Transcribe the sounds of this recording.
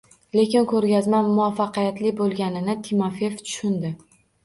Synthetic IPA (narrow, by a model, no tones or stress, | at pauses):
le̞kʲɪnkʰɵɾɡʲazmanmʊafːɑqijat̪lɪbolˠɡʲanɪnɪt̪ʰimafeft̪ʰʊ̥ʃʊnd̪ɪ